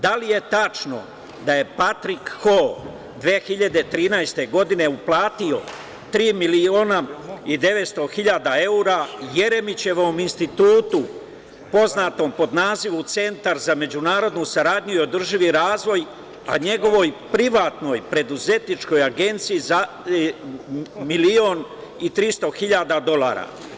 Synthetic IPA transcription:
d̪alije̞t̪at͡ʃno̞̰ | d̪aje̞pat̪ɾikxo | d̪ʋeːxiʎad̪e̞t̪ɾiːnajst̪e̞ɡo̞d̪ine̞uplˠaːt̪io̞ | t̪ɾiːmilioːnaid̪e̞ʋe̞t̪st̪o̞xiʎad̪ae̞uɾaje̞ɾe̞mit͡ɕe̞ʋo̞minst̪it̪uːt̪u | po̞znaːt̪o̞mpo̞d̪naːziʋut̪se̞nt̪aɾzame̞d͡ʑunaːɾo̞d̪nusaɾaːd̪ɲuio̞d̪r̩ʒiʋiɾaːzʋo̞j | a̰ɲe̞ɡo̞ʋo̞jpɾiʋaːt̪no̞jpɾe̞d̪uze̞t̪nit͡ʃko̞jaɡe̞nt̪sijiza | milioːnit̪ɾist̪o̞xiʎad̪ad̪o̞lˠa̰ːɾa̰

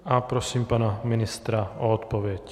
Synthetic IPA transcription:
apɾɔsiːmpaːnaminist̪ɾaɔɔt̪pɔʋɪɛc

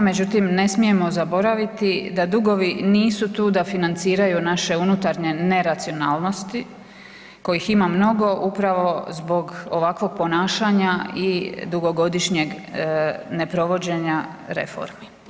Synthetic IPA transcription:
me̞d͡ʑut̪imne̞smije̞mo̞zabo̞ɾaʋit̪id̪ad̪uɡo̞ʋiniːsut̪uːd̪afinant̪siːɾajunaʃe̞unut̪aɾɲe̞ne̞ɾat̪sio̞naːlˠno̞st̪i | ko̞jiximamno̞ɡo̞ʔupɾaʋo̞zbo̞ɡoʋakʋo̞ɡ̥̚po̞naːʃaɲaid̪uɡoɡo̞d̪iʃɲe̞ɡ | ne̞pɾo̞ʋo̞d͡ʑe̞ɲaɾe̞̰fo̞̰ɾmi

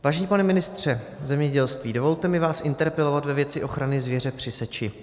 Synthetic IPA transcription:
vaːʒɛɲiːpanɛmɪnɪst̪r̝̥ɛ | zɛmɲɛɟɛlst̪viːdo̞vo̞lt̪ɛmɪvaːsʔɪnt̪ɛɾpɛlo̞vat̪vɛvjɛt͡sɪʔo̞xɾanɪzvjɛr̝ɛpr̝̥ɪsɛt͡ʃɪ

